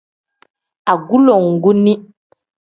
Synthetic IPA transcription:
a˨ɡu˦lo˨ŋ˨ɡu˦ni˦

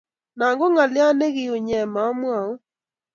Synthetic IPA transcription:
na˨ŋɡo˦ŋa˨lɪ˦a˦ne˦ɣɪ˨o˨ɲɛ˨ma˨ɔ˦mwa˨o˦

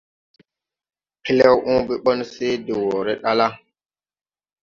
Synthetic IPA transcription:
ki˦le˦wʔũ˦bi˦ɓɔ˦nse˦di˨wo˨ɾe˦ɗa˦la˦

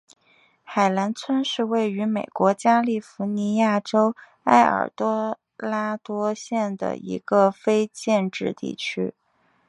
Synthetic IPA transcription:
xa˨˩ɪla˧˥nt͡sʰwə˥nʂɻ̩˥˧we˥˩ɪy˧˥me˨˩ɪkwɔ˧˥t͡ɕja˥li˥˩fu˧˥ni˧˥ja˥˩ʈ͡ʂo˥ʊ | a˥ɪə̰˞˨˩t̪wɔ˥ | la˥t̪wɔ˥ɕjɛ˥˩nd̪ə̰˩ḭ˧˥ɡ̥ə˧fe˥ɪt͡ɕjɛ˥˧nʈ͡ʂɻ̩˥˧t̪ḭ˥˩t͡ɕʰy̰˥

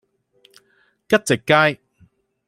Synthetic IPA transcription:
kɐ˥t̚t͡sɪ˨kːaː˥j

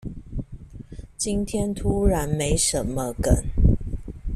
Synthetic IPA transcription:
t͡ɕi˦nt̪ʰjɛ˥nt̪ʰu˥ɻa˨˦nme˧˥ɪʂə˧˦nmə˧kə̰˨˩˦n

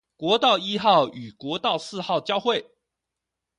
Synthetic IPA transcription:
kwɔ˧˥t̪ɑ˥˩ʊi˥xɑ˥˩ʊy˨˩kwɔ˧˥t̪ɑ˥˧ʊsɹ̩˥˧xɑ˥˩ʊt͡ɕjɑ˥ʊxwe˥˩ɪ

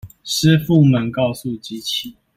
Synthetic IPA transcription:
ʂ̩˥˦fu˥˨mə˨nkɑ˥˨ʊsu˥˨t͡ɕi˨˦t͡ɕʰi˨˩˦

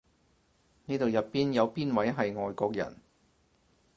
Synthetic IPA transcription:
niː˥t̪o˨˧wjɐ˨tpːiː˥njɐ˨˧wpiː˥nwɐ˨˥jɦɐ˨jŋɔː˨˧jkɔː˧k̚jɐ̰˨˩n

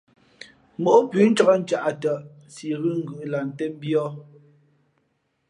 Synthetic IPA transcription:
mo˨ʔo˦pʉ˦n̩˦t͡ʃɔ˦˨kɔ˦n̩˦t͡ʃa˨ʔa˨tə˨ʔ | si˨ɣɯ˦ŋ̩˦ɡʉ˨ʔla˨n̩˨tɛ˦m˦bjɔ˦

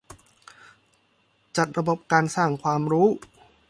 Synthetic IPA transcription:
t͡ɕa˨˩t̪̚ɾa˧bo˨˩p̚kaː˧nsaː˥˩ŋkʰwaː˧mɾuː˦˥

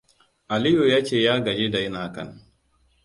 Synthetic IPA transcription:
ʔa˨li˦ju˨jaː˦t͡ʃeː˦˨jaː˦ɡa˨d͡ʒe˦da˨jnaː˨kɐ̰˨n

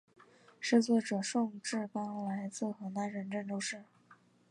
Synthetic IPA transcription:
ʂɻ̩˥˧t͡swɔ˥˩ʈ͡ʂɤ˨˩ʂʊ˥˧ŋʈ͡ʂɻ̩˥˩ka˥˧˥la˧˥ɪt͡sɹ̩˥˩xɤ˧˥na˧˥nɻə˧˥nʈ͡ʂə˥˧˩ŋʈ͡ʂ̪o˥ʊʂɻ̩˥˩

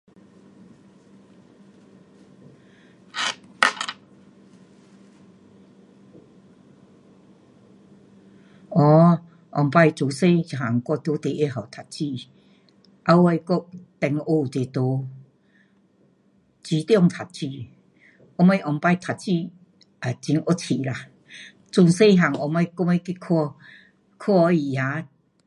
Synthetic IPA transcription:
ɔ˧˦ | ʔɔ̰˨˩ŋpa˥˧jt͡so˨se˧˦t͡ɕɦa˨˩˨ŋkɔ˥˧t̪o˧˦t̪e˨ʔe˧ɦa˨˩wt̪ʰa˨˩t̚t͡ɕi˥˧ | ʔa˧wa˧jko˦ʔ̚t̪ɛ˨˩ŋo˧˨te˨t̪o˨˦ | t͡ɕi˧˦t̪jɔ˥˧˨ŋt̪ʰa˨˩t̚t͡ɕi˧˨ | ɔ˧˦ma˧jʔɔ˨˩ŋpa˥˧˨jt̪ʰa˨t̚t͡ɕi˥˧˨ | a˨˩t͡ɕi˧ŋɔ˦t͡ɕʰi˨la˨ | t͡su˨˧ŋse˥˦˨ɦa˨˩ŋɔ˧˩ma˧˦ko˧ŋe˧ki˦kʰɔ˧ | kʰɔ˦˧˦i˧˨ja˨˧˦

